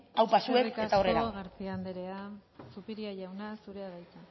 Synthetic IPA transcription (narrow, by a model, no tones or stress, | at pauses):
awpasue̞kst̪ao̞reaɣaɾt͡siand̪eɾeasupiɾiaʝawnasuɾeaðajt͡sa